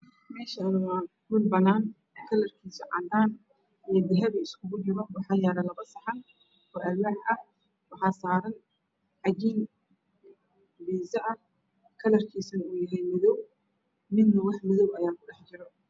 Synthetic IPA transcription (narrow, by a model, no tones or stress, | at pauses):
mɛːʃɐɪnʊahuːlbɐnaːn | kʰɐlɐrkʰiːsɔʕɑnd̪aːn | ijɞd̪ɪɦɐβɐɪskʰʊɣʊd͡ʒɪɾɔwɑħɑːjaːɽɐlɐβɐsɐħɑn | ɔːʔɐwaħʔɐ | wɑħɑːsaːɾɐn | ħɑɡiːn | biːzɐʔɐ | kʰɐlɐrkʰiːsɐnuːjɐɦɛjmɪðɔw | mɪnnɐwɑħmɪðɔwɐjaːkʰʊɖɛħt͡ʃɪɾɔ